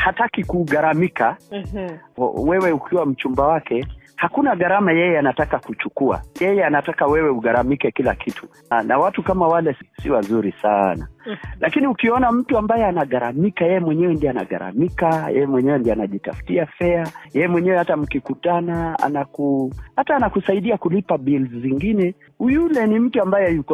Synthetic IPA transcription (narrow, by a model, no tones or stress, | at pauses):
hatakikuɠaɾamika | wɛwɛukʰiwam̩t͡ʃumbawakɛhakunaɣaɾamajɛjɛanatakakut͡ʃukua̰jɛjɛanatakawɛwɛuɣaɾamikɛkila̰kʰitʰu | nawatukamawalɛsiwazuɾisana̰lʔakiniukiɔnam̩tuambajɛanaɠaɾamikajɛjɛmwɛɲɛwɛndiana̰ɠa̰ɾa̰mikajɛ̰jɛmwɛɲɛwɛndianaʄita̰fu̥tiafɛajɛjɛmwɛɲɛwɛhatam̩kikutanaa̰nakuhataːnakusaiɗiakulipabilzziŋɡinɛ | hujulɛnim̩tuambajɛjukɔ